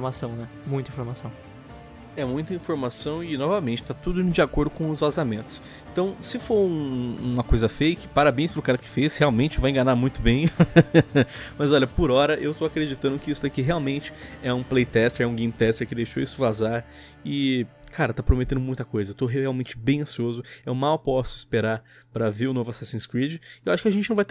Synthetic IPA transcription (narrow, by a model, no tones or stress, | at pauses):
foɾmasɐ̃w̃nɛ | mũj̃t̪ɐĩfoɾmasɐ̃w̃ | ɛmũj̃t̪ɐĩfoɾmasɐ̃w̃ɪnɔvɐmẽnt͡ʃɪt̪at̪ud̪ʊ̃d͡ʒiakoɾd̪ʊkõw̃ʊzvazamẽnt̪ʊ̥s | ẽnt̪ɐ̃w̃sɪfoɾũũmɐkojzɐfejkɪ̥paɾabẽj̃spɾʊkaɾɐkɪ̥fesheawmẽnt͡ʃɪvajẽŋɡanaɾmũj̃t̪ʊbẽj̃ | mɐzɔʎɐpʊɾɔɾɐʔewt̪oakɾed͡ʒit̪ɐ̃nd̪ʊkɪisʊd̪akiɦeawmẽnt͡ʃɪ̥ɛũplejt̪ɛst̪eɾɛũɡẽjmt̪ɛst̪eɾkɪd̪ejʃoisʊvazaɾ | ɪkʰaɾɐt̪apɾomet̪ẽnd̪ʊmũj̃t̪ɐkojzɐewt̪oɦeawmẽnt͡ʃɪ̥bẽj̃ɐ̃siozʊɛwmawpɔsʊɪspeɾaɾ | pɾɐveɾʊnovʊasasĩskɾid͡ʒɪewaʃʊ̥kɪaɐʒẽnt͡ʃɪnɐ̃vajt̪